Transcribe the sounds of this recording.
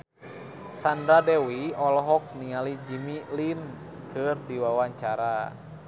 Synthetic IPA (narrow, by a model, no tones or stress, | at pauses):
sandɾadɛwiɔlɔɦɔk̚nialid͡ʒimilin | kɨrdiwawaɲt͡ʃaɾa